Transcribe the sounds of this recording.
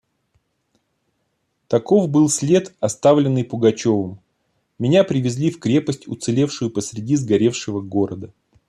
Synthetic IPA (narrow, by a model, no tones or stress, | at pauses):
t̪ɐko̞vbɨlˠsʲlʲe̞t̪ɐst̪avlʲɪnːɨjpʊɡɐt͡ɕo̞vəm | mʲɪnʲapɾʲɪvʲɪzʲlʲifkɾʲe̞pəsʲtʲʊ̰t̪sɨlʲe̞fʂʊjʊpəsʲɾʲɪdʲizɡɐɾʲe̞fʂɨvəɡo̞ɾəd̪ə